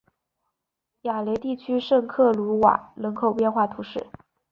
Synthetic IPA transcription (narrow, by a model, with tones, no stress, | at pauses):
ja˨˩le˧˥t̪i˥˩t͡ɕʰy˥ʂɤ˥˧ŋkʰɤ˥˩lu˧˥wa̰˨˩˦lɤ˧˥ŋkʰo˨˩ʊpjɛ˥˧nxwa˥˩t̪ʰu˧˥ʂɻ̩˥˩